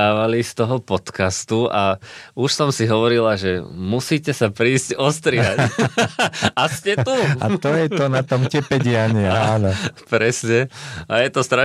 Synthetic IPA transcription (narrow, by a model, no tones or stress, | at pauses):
aːʋalist̪ɔɦɔpɔt̪kast̪uauʃsɔmsiɦɔʋɔɾilaʒɛmusiːcɛsapɾiːzɟɔst̪ɾɪac | ascɛua̰t̪ɔjɛt̪ɔnat̪ɔmcɛpɛɟɪaɲianɔpɾɛsɲɛajɛt̪ɔst̪ɾa